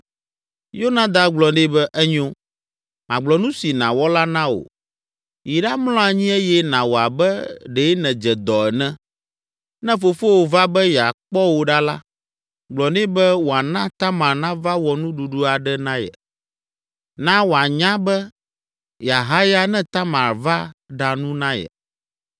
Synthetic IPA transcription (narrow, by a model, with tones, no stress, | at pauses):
jo˦nã˦d̪a˦ɡ͡blɔ˨ɖi˦bɛ˦ʔɛ˦ɲõ˦ | mã̰˨ɡ͡blɔ˨nũ˦si˨nã̰˨wɔ˦la˦nã˦o̰˨ | ji˨ɖa˦mlɔ̃˦a˨ɲĩ˦e˦jɛ˦nã˨wo˨a˨bɛ˦ɖe˨˦nɛ̃˨d͡ʒɛ˨d̪ɔ˨ɛ˨nɛ̃˦ | nɛ̃˦fo˨fo˦wo˨va˦bɛ˦jɛ˨a̰˨k͡pɔ˦wo˨ɖa˦la˦ | ɡ͡blɔ˨nĩ˦bɛ˦wo˨a˨nã˦t̪a˦mã˨ɾnã˦va˦wɔ˨nũ˦ɖu˨ɖu˦a˨ɖɛ˦nã˦jɛ̰˨ | nã˦wo˨a˨ɲã˦bɛ˦ | ja˨ɦa˦ja˦nɛ̃˦t̪a˦ma˨ɾva˦ɖa˨nũ˦nã˦jɛ̰˨